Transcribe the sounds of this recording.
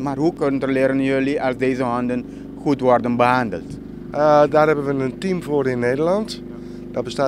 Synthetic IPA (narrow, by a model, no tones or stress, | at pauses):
marɦukønəndərlɪːɾənjøliʔɑlˠsdeːzəɦɔndən | xutʋɔrdənbəɦandə̰lˠt | daːrɛbənʋənəntimfoːɾɪnːeːdərlɑnt | d̥ɔbəstaː